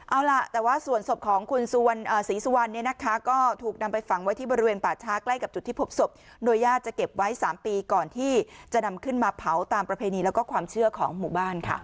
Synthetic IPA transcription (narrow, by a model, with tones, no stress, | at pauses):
ʔa˧˩wla˨˩ʔt̪ɛː˨˩waː˥˩su˨˩ənso˨˩p̚kʰɔː˨˩˦ŋkʰu˧nsu˧wa˧nʔaː˨˩siː˩˦su˧wa˧nːi˥˩əna˦˥kʰa˦˥kɔː˥˩t̪ʰuː˨˩k̚na˧mpa˧jfa˨˩ŋwa˦˥jt̪ʰiː˥˩bɔː˧ɾi˦˥weː˧npaː˨˩t͡ɕʰaː˦˥kla˥˩jka˨˩p̚t͡ɕu˨˩t̪ʰːiː˥˩pʰo˦˥p̚so˨˩p̚ | doː˧jːaː˥˩t̪̚t͡ɕa˨˩ke˨˩p̚wa˦˥jsaː˩˦mpiː˧kɔː˨˩nt̪ʰiː˥˩t͡ɕa˨˩na˧mkʰɯ˥˩nmaː˧pʰa˩˦wt̪aː˧mpɾa˧pʰeː˧niː˧lɛː˦˥wkɔː˥˩kʰwaː˧mt͡ɕʰɯ˥˩ɐkʰɔː˩˦ŋmu˨˩baː˥˩nkʰa̰˥˩